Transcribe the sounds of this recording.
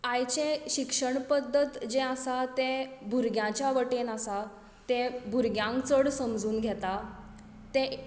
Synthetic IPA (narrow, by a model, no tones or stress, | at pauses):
ãjt͡ɕẽɕikʂəɳpəd̪ːət̪d͡ʑẽəsat̪ẽbʱuɾɡjãt͡ɕjaʋəʈenasa | t̪ẽbʱuɾɡjãŋkt͡səɽsəmd͡zuːnɡʱɛt̪a | t̪e